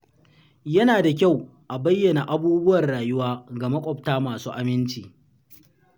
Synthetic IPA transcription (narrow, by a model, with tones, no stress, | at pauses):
jɐ˦naː˨da˨kʲa˦˨wʔa˨bɐ˦jːɐ˨na˨ʔa˦buː˦bʊ˦wɐ˨rɽaː˨jʊ˦waː˦ɡa˨mɐ˦kʷʼɔ˨ptaː˦maː˨suː˦ʔa˦mɪ˦nt͡ʃiː˨